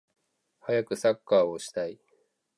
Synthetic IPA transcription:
hajakɯ̟sakːaːo̞ɕi̥t̪ai

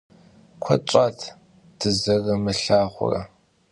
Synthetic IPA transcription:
kʷʰɔt͡ʃʷʼatʰ | d̥ɨzɐrɐmɨɬaːχʷʊ̰rɐ̰

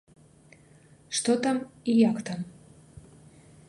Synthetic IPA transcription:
ʂt̪ot̪amijakt̪am

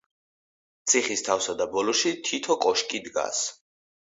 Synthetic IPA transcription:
t̪sʰiχist̪ʰafsad̪abɔlɔʃit̪ʰit̪ʰɔkʼɔʃkʼid̪ɡa̰s

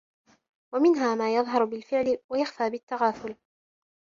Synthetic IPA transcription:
wamɪnɦaːmaːjɑðˤɦɑɾˤbɪlfɪʕlɪwajaxfaːbɪt̪ːaɣaːθʊl

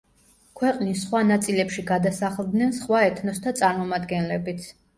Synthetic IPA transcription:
kʰwɛqʼnisːχwanat̪sʼilɛpʃiɡad̪asaχlˠd̪nɛnsχwaɛt̪ʰnɔst̪ʰat̪sʼaɾmɔmad̪ɡɛnlɛbit̪sʰ

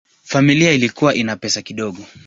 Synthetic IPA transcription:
familiailikuwaʔinapɛsakiɗɔɠɔ

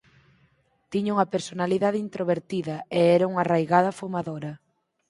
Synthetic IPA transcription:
t̪iɲauŋɐpeɾsonaliðaðeint̪ɾoβeɾt̪iðɐeɛɾɐuŋarajɣaðɐfomaðoɾɐ

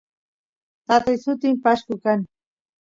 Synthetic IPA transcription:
t̪at̪ajsʊt̪ɪmpaʃkʊkaŋ

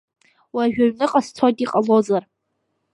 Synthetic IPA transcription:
waʒᶣaɥnɨqʼast͡sʰotiqʼalod͡zar

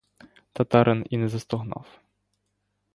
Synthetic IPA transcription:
t̪ɐt̪ɑɾʔɛninɛzɐst̪ɔɦnɑ̰f

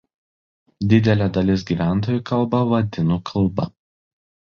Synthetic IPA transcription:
d̪ʲɪd̪ʲɛlʲɛːd̪ɐlʲɪs̬ɡʲiːʋʲæˑnt̪oːjuˑkɐlˠbɐʋɐd̪ʲɪnuːkʰɐlˠˑbɐ̰

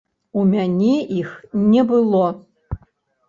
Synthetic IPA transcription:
umʲanʲɛixnʲɛbɨlˠɔ

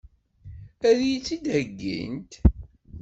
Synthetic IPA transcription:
æɾijt͡sːid̪əɡːḭnt̪

